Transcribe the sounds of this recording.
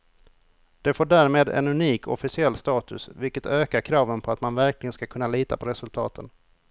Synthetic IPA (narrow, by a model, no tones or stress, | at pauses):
d̪̥ɛfoːɖæːɾmeːd̪ɛ̰nɵniːkʰɔ̰fɪsɪɛlːst̪ɑːt̪ɵ̰svɪlkət̪ʰøːkaɾkʰɾɑːvənpʰɔat̪manvæɾklɪɡənskakʰɵnːaliːt̪a̰pʰɔɾɛsɵlt̪ʰɑ̰ːt̪ʰən